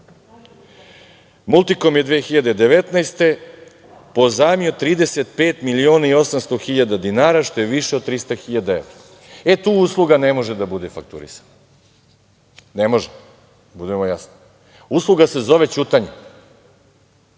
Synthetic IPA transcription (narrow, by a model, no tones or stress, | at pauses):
mulˠt̪ikomjed̪ʋeːxiʎad̪e̞d̪e̞ʋet̪najst̪e̞ | po̞zaːmio̞t̪ɾiːd̪e̞set̪̚peːt̪milio̞ːnaio̞samst̪oxiʎad̪ad̪inaːɾaʃt̪o̞jeʋiʃed̪̚t̪ɾist̪axiʎad̪aḛʋɾa | et̪uːuːslˠuɡanemo̞ʒed̪abud̪efak̚t̪ṵɾḭsḁna | nemo̞ʒe | bud̪e̞mojasno | uslˠuɡase̞zo̞ʋe̞t͡ɕut̪aɲe